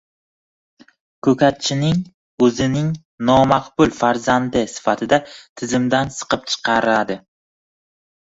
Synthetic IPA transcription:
kʰɵkʲʰat̪̚t͡ʃʰɪnɪŋ | ɵzɪnɪŋ | nɒmaqbʊlfaɾzand̪ɪsɪ̥fat̪ʰɪd̪at̪ʰɪzɪmd̪ansɨ̥qɨp̚t͡ʃʰɨ̥qʰɑɾad̪ɪ

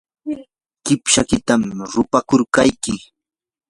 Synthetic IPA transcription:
kɪpʃakɪt̪amɾʊpakʊɾkajkɪ

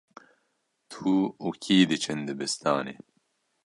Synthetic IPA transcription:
t̪ʰuːukʰiːd̪ɨt͡ʃʰɨnd̪ɨbɨst̪aːnḛː

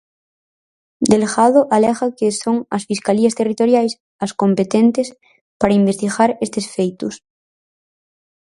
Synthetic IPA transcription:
d̪elɣaðoʔaleɣakeso̞ŋasfiskaliast̪e̞rit̪o̞ɾjajs | askõ̞mpe̞t̪ent̪es | paɾaimbe̞st̪iɣaɾest̪esfejt̪us

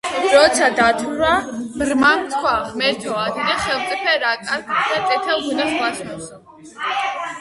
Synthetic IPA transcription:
ɾɔt̪sʰad̪at̪ʰuɾabɾmat̪ʰkʰwamɛɾt̪ʰɔad̪id̪ɛχɛlˠt̪t͡s̪ʼipʰɛɾakʼaɾɡd̪̥at̪ʼɛt̪ʰɛlˠɡunaslaʃmɛs

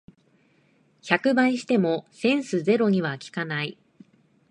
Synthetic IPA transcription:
çakɯ̟baiɕi̥t̪e̞mo̞sẽ̞ɰ̃sɨze̞ɾo̞ɲ̟iβ̞akʲi̥kanai

